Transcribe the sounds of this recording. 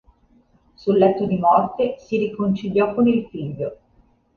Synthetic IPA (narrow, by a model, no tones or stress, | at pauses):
sulːɛt̪ːod̪imɔrt̪esiɾikont͡ʃiʎjɔkonilfiʎːo